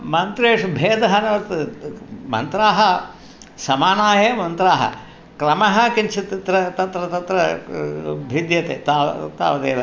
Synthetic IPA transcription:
mɐnt̪ɾeːʂbʱeːd̪ɐɦɐnɐʋɐt̪ | mɐ̰nt̪ɾaːɦɐ | sɐmaːnaːjemɐnt̪ɾaːɦɐ̰ | kɾɐmɐɦɐ̆kint͡ʃʰit̪t̪ɾɐt̪ɐt̪ɾɐt̪ɐt̪ɾɐ | bʱid̪jɐt̪ḛːt̪aːt̪a̰ːʋɐd̪eːd̪ɐ

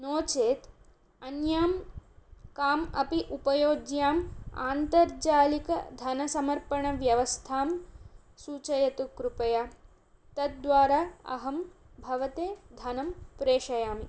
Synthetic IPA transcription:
noːt͡ʃeːt̪ | ɐnjaːm | kaːmɐpiʔupɐjoːɡjaːma̰ːnt̪ɐɾd͡ʒaːlikɐ̰d̪ʱɐnɐsɐmɐɾpɐɳɐʋjɐʋɐst̪ʰaːm | suːt͡ʃɐjɐt̪ukɾupɐjaː | t̪ɐt̪̚d̪ʋaːɾaːɐ̰ɦɐm | bʱɐʋɐt̪eːd̪ʱɐnɐmpɾeːʃɐjaːmi

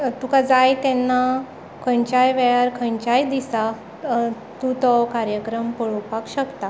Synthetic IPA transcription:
t̪ukad͡zajt̪ɛnːa | kʰə̃ɲt͡ɕajʋɛjaɾkʰəɲt͡ɕajd̪isa | t̪ut̪ɔkaɾjəkɾəmpəɭupakɕəkt̪a

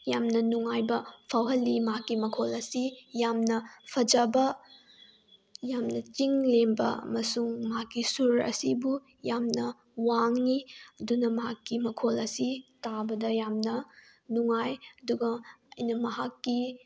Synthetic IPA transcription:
jamnɐnuŋajbɐpʰawɦɐlːimɦakːimɐkʰolɐsijamnɐpʰɐd͡ʒɐbɐ | jamnɐt͡ʃiŋlembɐɐ̰mɐsuŋmakːisuɾɐ̰sibu | jamnɐ | waŋːiɐdunɐmɐɦakːimɐkʰolɐsitabɐdɐjamnɐ | nuŋajɐduɡɐɐ̰jnɐmɐɦakːi

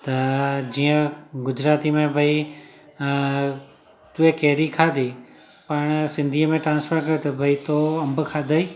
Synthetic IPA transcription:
t̪ɐd͡ʒiːə̃ɡʊd͡ʒɾaːt̪imẽbʱəi | t̪uekeːɾikʰaːd̪ʱiː | pɐɳsɪ̃nd̪ʱiːəmẽʈɾãːnspʰəɾkɐjot̪ɐbʱɐit̪oːɐ̃mbkʰaːd̪ʱəiː

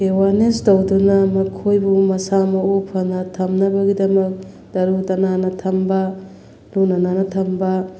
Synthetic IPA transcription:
ewaɾnestɐwdunɐmɐkʰojbumɐsamɐupʰɐnɐtʰɐmnɐbɐɡidɐmɐk̚ | dɐɾutɐnanɐtʰɐmbɐ | lunɐnanɐtʰɐmbɐ

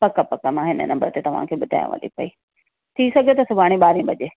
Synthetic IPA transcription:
pɐkapɐkamãɦɪnə̰nɐ̃mbəɾt̪et̪ɐʋ̤ã̰kʰeːɓʊd̪ʱa̰ːjṵ̃ʋə̰lḭpɐi | t̪ʰisɐɡʱet̪ɐsʊbʱaːɽ̃ĩɓaːɾĩɓɐʄeː

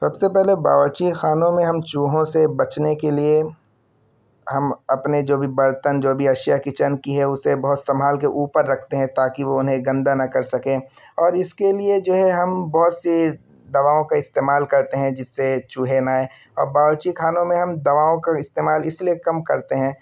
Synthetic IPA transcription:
sɐbsepɛɦleba̰ːʋət͡ʃixaːnõmẽɦɐmt͡ʃuːɦõsebɐt͡ʃnekelie | hɐmɐpned͡ʒoːbʱibɐɾt̪ənd͡ʒoːbʱiɐʃjakɪt͡ʃənkiɦɛʊsebɐɦʊt̪sɐmɦaːlkeʔuːpəɾːɐkʰt̪eɦɛ̃t̪aːkiʋoʊnɦẽɡɐ̃nd̪anɐkɐɾsɐkẽ | ɔːɾɪskelied͡ʒoːɦɛɦɐmbɔɦʊt̪si | d̪ɐʋaːõkaɪst̪eːmaːlkɐɾt̪eɦɛ̃d͡ʒɪsːet͡ʃuːɦenaːe | ɔ̰ːɾbaːʋət͡ʃixaːnõmẽɦɐmd̪ɐʋaːõkaɪst̪eːmaːlɪsliekɐmkɐɾt̪eɦɛ̃ː

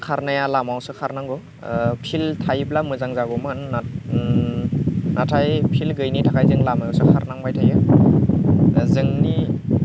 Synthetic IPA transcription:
kʰaɾnajalamawsɯkʰaɾnaŋɡɔ | pʰiltʰajblamɯzaŋzaɡɔmɯn | natʰajpʰilɡɯjnitʰakʰajzɯŋlamajawsɯkʰaɾnaŋbajtʰajɯ | zɯŋni

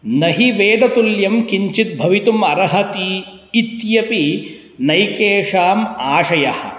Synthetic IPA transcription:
nɐɦiʋeːd̪ɐt̪uljɐmkiɲt͡ʃit̪̚bʱɐʋit̪umɐɾɐɦɐt̪iː | t̪jɐpi | nɐjkeːʂaːmaːʂɐjɐhɐ̰̆

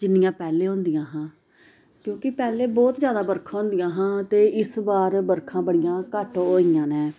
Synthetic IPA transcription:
d͡ʒɪnːɪjãːpɛːleːɦõnd̪ijãːɦãː | kjõːkɪpɛːleːbɔːt̪zjaːd̪aːbəɾkʰãːɦõːnd̪ijãːɦãːt̪eːɪsbaːɾbəɾkʰãːbəɽɪjãːkəʈːoːɪjãːnɛ̃ː

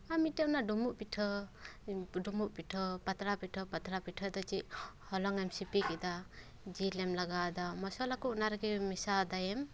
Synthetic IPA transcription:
amitenadumuʔpitʰɯ | dumuʔ̚pitʰɯpat̪ɾapitʰɔpat̪ʰɾapitʰɔd̪ɔt͡ʃiʔhɔlɔŋajmsipikid̪a | d͡ʒilemlaɡad̪amɔsɔlakʰuunaɾɡimisad̪ajem

